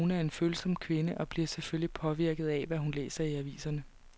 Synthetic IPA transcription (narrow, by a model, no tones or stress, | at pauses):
unæɐe̝nføːl̩sɒ̽m̰kʰʋe̝nəʔɒ̽b̥liɐ̰seføllipʰɒ̽ʋiɐɡ̥ð̩ˠɛʋæɦunlḛːsɐiæʋḭːsɐnə